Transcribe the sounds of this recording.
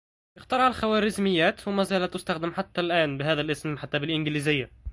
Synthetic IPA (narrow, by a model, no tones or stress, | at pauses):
ʔɪxt̪ɑɾˤʕalxæwæːɾɪzmɪjːæːt̪wɪmæːzæːlæt̪ːʊst̪æxd̪ɪmħat̪ːælʔæːnbɪɦæːðælʔɪsmħat̪ːæbɪlʔɪnɡɪliːzɪjːa